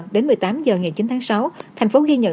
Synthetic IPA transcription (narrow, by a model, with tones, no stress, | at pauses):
ɗe˨˦nmɨ˨˩əjt̪aː˨˦mzəː˨˩ŋa˨˩jt͡ɕi˨˦nt̪ʰaː˨˦sa˨˦wt̪ʰjŋ̟fo˨˦zi˧ɲə̰˧˨